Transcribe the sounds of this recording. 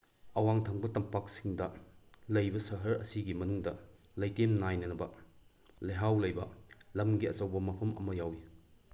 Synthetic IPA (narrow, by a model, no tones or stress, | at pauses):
ɐwaŋtʰɐŋbɐtɐmpak̚siŋdɐlɐjbɐsɐɦɐɾɐ̰siɡimɐnuŋdɐ | lɐjtemnajnɐnɐbɐ | leɦawlɐjbɐlɐmɡiɐt͡ʃɐwbɐmɐpʰɐmɐ̰mɐjawi